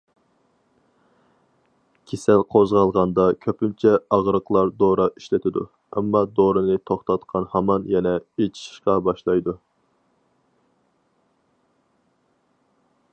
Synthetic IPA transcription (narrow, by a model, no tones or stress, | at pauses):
kʲʰesɛlqʰozʁɑlˠʁɑnd̪ɑkʲʰøpynt͡ʃʰɛɑʁɾəqlˠɑɾd̪oɾɑʔiʃlɪt̪ʰɪd̪ṵ | ɛmːɑd̪oɾɨnɨt̪ʰoχt̪ʰɑt̪qʰɑnhɑmɑnjɛnɛet͡ʃʰi̥ʃi̥ʃqɑbɑʃlˠɑjd̪u